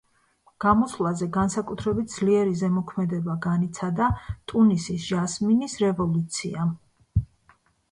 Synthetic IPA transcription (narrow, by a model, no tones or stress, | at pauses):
ɡ̥amɔsvlˠazɛɡansakʼut̪ʰɾɛbit̪̚d̪z̥liɛɾizɛmɔkʰmɛd̪ɛbaɡanit̪sʰad̪at̪ʼunisisʒ̥asminisɾɛvɔlˠut̪sʰḭa